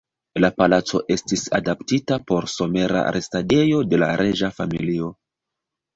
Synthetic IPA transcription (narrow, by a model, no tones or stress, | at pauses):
lapalat͡so̞̰ʔe̞stisa̰daptitapo̞ɾso̞me̞ɾa̰ɾʔestade̞jo̞de̞laɾʔeʒafamḭlio̞